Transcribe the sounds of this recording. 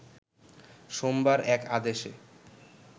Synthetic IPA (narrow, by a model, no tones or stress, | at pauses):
ʃombaɾɛkad̪eʃḛ